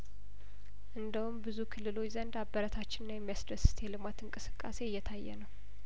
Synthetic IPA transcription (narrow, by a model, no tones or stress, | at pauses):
ʔɨnd̪əhumbɨzukʰɨlːɨlo̞t͡ʃːzənd̪abːəɾət̪ʰat͡ʃːɪnnajɛmːijasd̪əsɨ̥t̪ʰjɛlɨmat̪ɨŋkʼɨsɨ̥kʼːa̰se̞jːɛt̪ʰajːɛ̰nəw